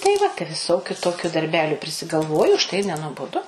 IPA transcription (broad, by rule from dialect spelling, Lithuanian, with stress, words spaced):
tɐɪ ˈʋɐ tɐɪ ʋʲɪˈsoːkʲʊ ˈtoːkʲʊ dɐrʲˈbʲæːlʲʊ pʲrʲɪsʲɪɡɐlˠˈʋoːjʊ ʊʃˈtɐɪ ɪr nʲɛnuɔboːˈdʊ